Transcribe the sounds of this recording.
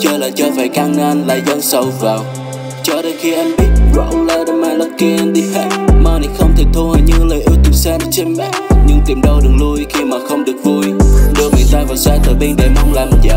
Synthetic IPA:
t͡ɕəː˧laː˨˩t͡ɕɔː˧faː˧˩jkaː˧ŋŋaː˧nlaː˧˨˩jzə˧nsə˧˩wvaː˨˩w | t͡ɕɔ˧ɗəː˧xi˧ʔɛ˧mɓi˦˥ət̚ɗwa̰ː˧˨ʔlaː˧˩ɗə˧maː˧lə˧˩p̚ki˧ʔnɗi˧fa̰ː˧˥mmaː˧ni˨˧˥xə˧wŋ͡mt̪ʰe˨˩t̪ʰo˧həː˨˩jɲɨ̰˧˥ləː˨˩jʔi˧t̪u˨˩saː˧n˧t͡ɕə˧nɓa̰ː˧˥ɲɨ˧ŋt̪i˨˩mɗə˧wɗɨ˨˩ək̚lu˧jxi˧maː˨˩xə˧wŋ͡mɗɨ˨˩ək̚vu˨˩jɗu˨˦əŋɨ˨˩ət̪aː˧vaː˨˩wsaː˧˩t̪ʰəː˨˩ɓi˧ŋɗe˨˩ma˧wŋ͡mlaː˨˩mt͡ɕa˨˩

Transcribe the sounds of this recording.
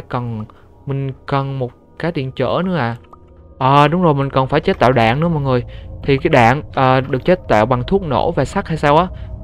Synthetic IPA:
kə˨˩n | mï˨˩ŋ̟kə˨˩nmo˨˩t̚kaː˨˦jt̪ḭ˧˨ənt͡ɕə̰ː˧˥nɨ˨˧˦əʔaː˧˨ | ʔəː˨˩ɗʊ˨˦wŋ͡mzo˨˩jmï˨˩ŋ̟kɔ˨˩nfaː˧˩jt͡ɕe˦˥t̚t̪a̰ː˧˨wɗa̰ː˧˨nnɨ̰˧˥əmɔ̰˨jŋɨ˨˩əjt̪ʰi˨˩kaː˨˦jɗa̰ː˧˨ŋʔəː˨˩ɗɨ˨˩ək̚t͡ɕe˦˥t̚t̪a̰ː˧˨wɓa˨˩ŋt̪ʰu˦˥ək̚no̰˧˥vaː˨˩sa˦˥k̚ha˧jsaː˧wʔaː˨˦

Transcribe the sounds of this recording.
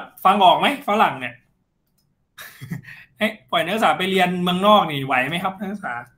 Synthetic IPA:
fa˧ŋʔɔː˨˩k̚ma˦˥jfaː˨˦˥la˨˩˦ŋni˧˩ | ʔa˦˥jpɔ˨˩jnaː˦˥k̚saː˩˦pa˧jli˧ənmɯ˧əŋnɔː˥˩k̚niː˧˩wa˩˦jma˦˥jkʰa˦˥p̚na˧˦˥na˦˥saː˩˦

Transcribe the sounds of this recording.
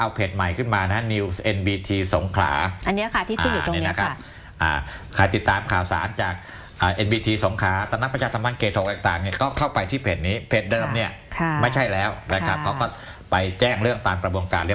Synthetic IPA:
ʔa˧wpʰeː˨˩t̪̚ma˨˩jkʰɯ˥˩nmaː˧na˦˥ni˧wsʔe˧nbiː˧t̪ʰiː˧so˩˦ŋkʰla̰ː˩˦ʔa˧nːi˦˥kʰa˥˩t̪ʰiː˥˩a˥˧˩u˨˧niː˥˧˦na˦˥kʰa˦˥p̚ | ʔa̰ː˨˩kʰa˧jt̪i˨˩t̪ːaː˧mkʰaː˨˩wsa̰ː˩˦nt͡ɕaː˨˩k̚ | ʔaː˨˩ʔe˧nbiː˧t̪ʰiː˧so˨˩˦ŋkʰaː˩˦t̪ɛː˧˩na˦˥kpa˧t͡ɕʰaː˧t̪ʰa˧mʰa˥˩nkʰeː˧t̪ʰo˨˧k̚t̪ːŋt̪aː˨˩ŋni˥˩kɔː˥˩kʰa˥˩wpa˧jt̪ʰiː˥˩pʰeː˨˩t̪̚niː˦˥pʰeː˨˩t̪̚dɤː˧mni˥˩ɐ | kʰa˥˩ma˥˩jt͡ɕʰa˥˩jlɛː˦˥wna˦˥kʰa˦˥kʰa˦˥wkɔː˥˩ | pa˧jt͡ɕɛː˥˩ŋɾɯ˥˩əŋt̪aː˧mkɾa˧bu˧ənkaː˧nli˥˩˨

